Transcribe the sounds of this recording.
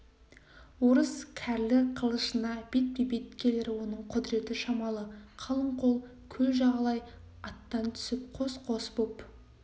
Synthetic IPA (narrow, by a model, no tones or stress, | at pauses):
woɾəskʲʰæɾlɪqʰəlˠəʃənɑb̥et̪̚p̪ebet̪kʲʰe̞le̞ɾɪwo̞nəɴqʰʊd̪ɾe̞t̪ɪʃɑmɑlˠəqʰɑlˠəɴqʰo̞lˠ | kʲʰɵlʒɑʁɑlˠɑj | ɑt̪ːɑnt̪ʰʏ̥sɪp̚qʰo̞sqʰo̞sbop